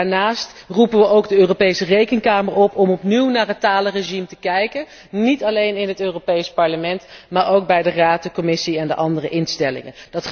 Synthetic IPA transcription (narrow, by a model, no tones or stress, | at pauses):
aːɹnaːstrupənʋəʔowɡdəøːropejsərejkənkaːməɹɔpɔmɔpniwnaːɹɦətaːləreʒimtəkɛjkən | nitɑlejnɪnɦətøːropejspɑɹləmɛntmaːɹowk̚bɛjdəraːt̚dəkɔmɪsiɛndə̰ʔɑndərəʔɪnstɛlɪ̰ŋə̰dɑt